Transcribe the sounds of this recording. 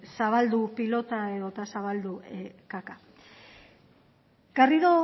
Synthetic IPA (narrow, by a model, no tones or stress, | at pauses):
saβald̪upilo̞t̪ae̞ðo̞t̪asaβald̪ukaka | ɡ̥ariðo